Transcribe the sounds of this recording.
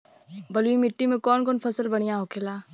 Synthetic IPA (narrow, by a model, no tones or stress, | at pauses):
bɐlimɪʈːimẽkɔːnkɔːnpʰɐsəlbɐɽ̃ijaɦoːkʰelaː